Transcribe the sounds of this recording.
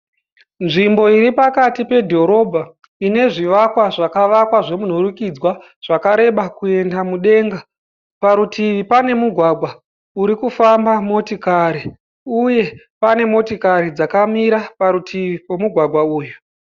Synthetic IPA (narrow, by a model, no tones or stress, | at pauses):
nʐimbo̞iɾipakatipe̞dʱo̞ɾo̞bʱa | ine̞ʐiʋakwaʐakaʋakwaʐe̞mun̤oɾukid͡zwa | ʐ̥akaɾe̞ɓakue̞ndamuɗe̞ːŋɡa | paɾutʰiʋipane̞muɡʱwaɡʱwa | uɾikufambamo̞tikaɾi | uje̞ | pane̞mo̞tikaɾid͡zakamiɾapaɾutʰiʋipo̞muɡʱwaɡʱwauːju